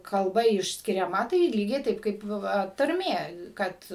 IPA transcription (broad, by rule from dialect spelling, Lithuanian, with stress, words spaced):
kɐlˠˈbɐ ɪʃʲsʲkʲɪrʲɛˈmɐ tɐɪ ˈlʲiːɡʲɛɪ ˈtɐɪp kɐɪp ˈʋɐ tɐrʲˈmʲeː ˈkɐt